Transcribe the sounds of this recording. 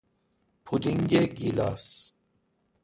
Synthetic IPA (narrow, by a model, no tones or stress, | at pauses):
pʰud̪iŋɡeɡila̰ːs